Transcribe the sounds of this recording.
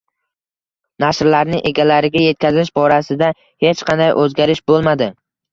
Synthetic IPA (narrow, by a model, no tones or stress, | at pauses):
naʃɾlaɾnɪʔeɡʲalaɾɪɡʲaje̞t̪̚kʲazɪʃbɒɾasɪd̪a | he̞t͡ʃqʰɑnd̪ajʔɵzɡʲaɾɪʃbolˠmad̪ɪ